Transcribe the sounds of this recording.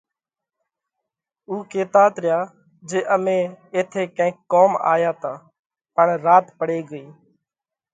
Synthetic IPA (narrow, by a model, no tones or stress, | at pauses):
uːkeːt̪aːt̪ɾɪjaː | d͡ʒeːʔəmẽːeːt̪ʰeːkə̃ɪ̃ːkːoːma̰ːjaːt̪aː | pəɳɾaːt̪pəɽeːɡəiː